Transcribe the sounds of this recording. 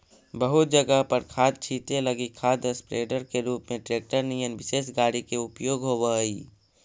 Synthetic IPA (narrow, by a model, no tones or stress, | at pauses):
bəɦʊt̪̚d͡ʒəɡəɦpəɾkʰaːd̪̚t͡ʃʰiːt̪eləɡikʰaːd̪əspɾeːɖəɾkeɾuːpmẽʈɾeːk̚ʈəɾnijənʋɪseːs̬ɡaːɽikeʊpjoːɡɦoːbəiː